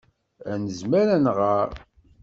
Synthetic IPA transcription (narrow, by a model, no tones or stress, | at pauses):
ænəzmæɾænʁaɾ